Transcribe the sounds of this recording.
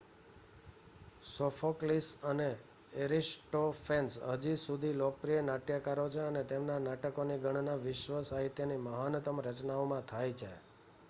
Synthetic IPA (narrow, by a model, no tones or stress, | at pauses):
sofʰoklisəne | eɾisʈofʰensɦəd͡ʒisud̪ʱilokpɾijənaʈjəkaɾot͡ʃʰeənet̪emnanaʈəkoniɡəɳ̃naʋɪʃʋəsaɦit̪jəniməɦanət̪əmɾət͡ʃnaomãt̪ʰajt͡ʃʰe